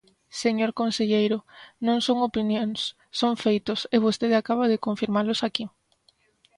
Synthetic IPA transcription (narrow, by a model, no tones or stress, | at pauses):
seɲoɾkonseʎejɾʊnõŋsoŋopinjõŋsː | oŋfejt̪ʊseβ̞ost̪eðɪakaβ̞aðɪkoɱfiɾmalʊsaki